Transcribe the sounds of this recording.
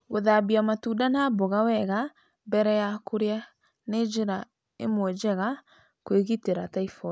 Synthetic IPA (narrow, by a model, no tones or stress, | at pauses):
ɣoðabiamatudanaboɣawɛɣa | bɛɾɛjakoɾea | ned͡ʒeɾa | ḛmwɛd͡ʒɛɣa | kweɣiteɾataifɔ